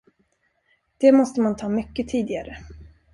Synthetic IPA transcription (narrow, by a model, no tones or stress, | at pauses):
d̪̥ɛmɔst̪əmant̪ʰɑːmʏkːət̪ʰiːd̪ɪɡaɾə